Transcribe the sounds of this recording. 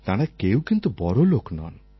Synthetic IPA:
t̪aɽ̃ekeũkint̪ubɔɾoloknɔ̰n

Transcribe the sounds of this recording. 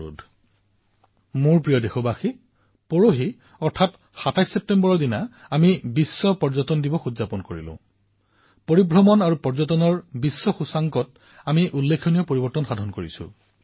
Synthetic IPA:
ṵdʱ | muɹpɹijɔdexɔbaxi | pɔɹoɦi | ɔɹtʰat | xatajsːep̚tembɔɹɔɹdina | amibisːɔpɔɹzɔtɔndibɔxuzapɔnkoɹḭlʊ̰̃ | poɹibɹɔmɔnaɹupɔɹzɔtɔnɔɹbisːɔxusaŋkɔt | amiʔulːekʰːonijɔpoɹibɔɹtɔnxadʱɔnkoɹḭsʊ̰̃

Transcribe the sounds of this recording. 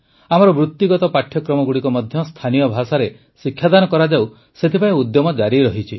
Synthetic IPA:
amɔɾɔbɾut̪ːiɡɔt̪ɔpaʈʰjɔkɾɔmɔɡuɽikɔmɔd̪ʱjɔst̪ʰanijɔbʱasaɾe | sikʰːjad̪anɔkɔɾad͡ʒaw | set̪ʰipaĩud̪jɔmɔd͡ʒaɾiɾɔɦit͡ʃʰi

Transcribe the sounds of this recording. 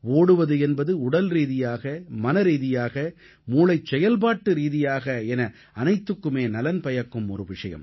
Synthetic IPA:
oːɽɯʋɐðɯɛnbɐðɯʊɽɐlɾiːðɪjaːɣɐmɐnɐɾiːðɪjaːɣɐ | muːlɐɪt͡ʃsɛjɐlpaːʈːɯɾiːðɪjaːɣɐɛnɐ | ɐnɐɪt̪ːɯkːɯmeːnɐlɐnpɐjɐkːɯmɔ̰ɾɯʋɪʂɐjɐ̰m

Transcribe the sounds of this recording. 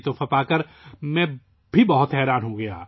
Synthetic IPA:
t̪ofʰɐpaːkəɾ | mɛ̃ | bʱibɐɦʊt̪ɦɛːɾaːnɦoɡɐja̰ː

